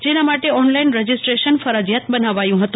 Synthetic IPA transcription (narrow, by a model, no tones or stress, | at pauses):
d͡ʒenamaʈeɔnlainɾəd͡ʒɪsʈɾeʃənfəɾəd͡ʒjat̪̚bənaʋajũɦət̪ũ